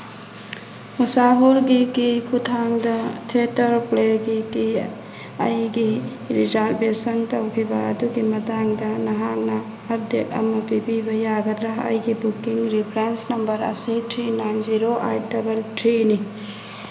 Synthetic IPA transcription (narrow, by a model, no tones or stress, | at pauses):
usaɦuɾɡikikʰutʰaŋdɐtʰetɐɾpleɡiki | ɐjɡi | ɾizaɾtbesɐntɐwkʰibɐɐ̰duɡimɐtaŋdɐnɐɦak̚nɐː | b̚detɐ̰mɐpibibɐjaɡɐd̪ɾaɦɐ̰jɡibukːiŋɾipʰɾensnɐmbɐɾɐ̰sitʰɾinajnziɾoʔaj̚dɐbɐltʰɾini